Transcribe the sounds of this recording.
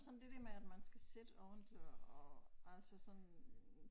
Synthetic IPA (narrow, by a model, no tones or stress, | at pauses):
sɒ̽nd̥e̝d̥æɐmeæd̥mænsɡ̥æsed̥əɒʊend̥løɐɒʔælsəsɒ̽n